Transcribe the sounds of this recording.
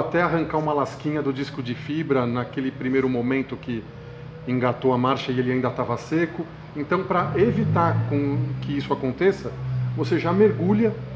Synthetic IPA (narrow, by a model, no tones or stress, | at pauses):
at̪ɛaɦɐ̃ŋkaũmɐlaskĩɲɐd̪ʊd͡ʒiskʊd͡ʒɪfibɾɐnakelɪpɾimejɾʊmomẽnt̪ʊkɪ | ẽŋɡat̪owɐmaɾʃɐɪelɪaĩd̪ɐt̪avɐsekʊ | ẽnt̪ɐ̃w̃pɾɐʔevit̪aɾkõkɪisʊakõnt̪esɐvoseʒameɾɡuʎɐ